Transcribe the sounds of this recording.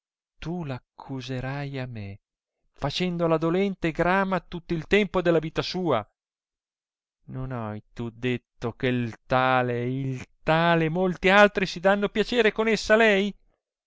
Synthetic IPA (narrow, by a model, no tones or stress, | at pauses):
t̪ulakʰːuzeɾajame | fat͡ʃɛnd̪olad̪olɛnt̪eɡɾaːmat̪ut̪ːoilt̪ɛmpod̪elːaviːt̪asuːa̰ | nonajt̪ud̪et̪ːokelt̪aːleilt̪aːlemolt̪ialt̪ɾisid̪anːopjat͡ʃeːɾekonesːalɛj